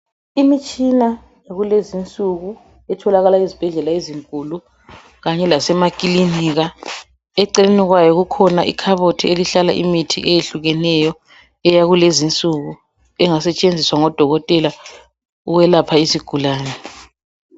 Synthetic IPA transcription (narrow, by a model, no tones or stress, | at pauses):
imit͡ʃʼina | jaɣulezint͡sʼuɣu | ɛtʰɔlaɣalaizib̥ʱɛɮɛlaeziŋkʼulu | ɣaɲɛlasɛmakʼiliniɣa | ɛǀɛleniɣwajɔɣukʰɔnaʔḭkʰaβotʰieliɬala̰ʔḭmitʰḭʔɛjeɬuɣɛnɛjɔ | ɛjaɣulezint͡sʼuɣu | ɛŋasɛt͡ʃʼend͡zʱiswaŋɔd̥ʱɔɣɔtʼɛla | uɣwɛlapʰaisiɡ̥ʱulaːnɛ